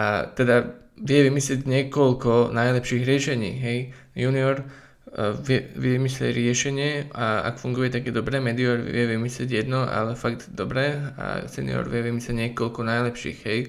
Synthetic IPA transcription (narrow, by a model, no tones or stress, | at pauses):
ʔa̰t̪ɛd̪a | ʋɪjɛʋimislɪɛɟɲɪɛkɔlkɔnajlɛpʃiːɣɾɪɛʃɛɲḭːɦɛj | juniɔɾ | ʋɪjɛʋɛimislʲɛ̰ɾɪɛʃɛɲɪɛaa̰kfuŋɡujɛt̪aɡjɛd̪ɔbɾɛːmɛd̪iɔɾɪɛʋimislɪɛ̰ɟjɛd̪nɔa̰lɛfaɡ̚d̪d̪ɔbɾɛːa̰sɛnḭɔ̰ɾʋɪɛʋimislɛɟɲɛkɔlkɔnajlɛpʃḭːɣɦɛj